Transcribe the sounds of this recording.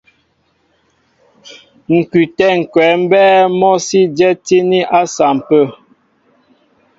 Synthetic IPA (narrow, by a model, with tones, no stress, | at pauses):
ŋ̩˨kʉ˨tɛ˦˨ŋ̩˨kwɛː˨˦m̩˦bɛː˦mɔ˦si˦dɛ˦ti˦ni˦ʔa˦sa˨m˨pə˦˨